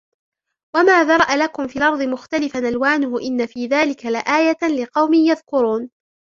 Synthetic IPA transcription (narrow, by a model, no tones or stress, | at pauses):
wamaːðɑɾˤɑʔalakʊmfiːlʔɑɾˤðˤɨmʊxt̪alɪfanʔalwaːnʊhʊʔɪnːafiːðaːlɪkalɪʔaːjalɪqɑwmɪːjaðkʊɾuːn